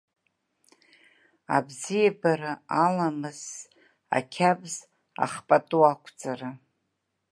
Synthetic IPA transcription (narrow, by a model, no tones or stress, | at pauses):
a̰bzijabaɾaalamɨz̥ | a̰kʲʰabʼz | a̰χpʼatʼuakʷʰt͡sʼara